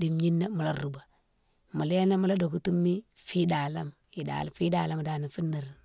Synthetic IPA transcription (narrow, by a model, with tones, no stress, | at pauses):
di˨mɲi˦nːa˦mu˨la˦ɾu˨ba˨ | mu˨le˦na˦mu˦la˦do˨ku˦tu˦mːi˦fi˦da˨la˦m | i˨da̰˨lfi˦da˨la˦m˨da˨ni˨fi˦nːa˨ɾi˨